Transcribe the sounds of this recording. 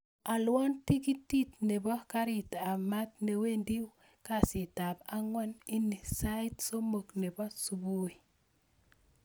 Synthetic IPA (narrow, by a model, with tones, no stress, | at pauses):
a˨lwɔ˦nti˦ki˦tːi˦tne˨bɔ˦ka˦ɾi˨ta˨ma˦t̚ne˨we˦ndi˦w | ka˦si˨ta˨ba˦ŋwa˦ni˦ni˨sa˦i˦tso˦mo˨kne˨bɔ˦su˨bu˦i˨